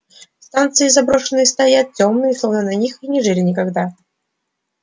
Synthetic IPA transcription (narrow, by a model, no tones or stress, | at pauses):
st̪ant̪sɨɪzɐbɾoʂɨnːɨjst̪ɐjat̪̚tʲomnɨjɪslˠovnɨnɐnʲixinʲɪʐɨlʲɪnʲɪkɐɡd̪a